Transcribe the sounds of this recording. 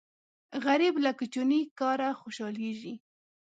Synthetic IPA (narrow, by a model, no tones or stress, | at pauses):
ɣaɾɪblakʊt͡ʃʊnikɑɾaxʊʃɑleʒi